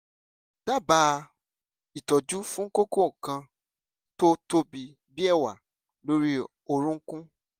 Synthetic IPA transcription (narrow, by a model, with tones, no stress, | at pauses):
d̥a˦˨baː˧˦˧ | i˨tɔ˨d͡ʒu˦fũ˦ŋ̩˦ko˦ko˦˨kã˧ | to˦to˦bi˧ | bi˦ɛ˦˨wa˨ | lo˦ɾi˦ | o˧ɾ̃ũ˦ŋ̩˦kũ˦